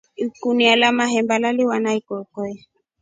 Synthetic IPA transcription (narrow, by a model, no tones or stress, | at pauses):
ikunialamaɦɛmbalaliwanaikɔkɔɛ